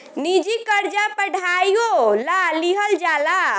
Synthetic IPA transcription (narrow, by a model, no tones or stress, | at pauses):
nid͡ʒikəɾd͡ʒapəɽʱaiolaliɦəld͡ʒala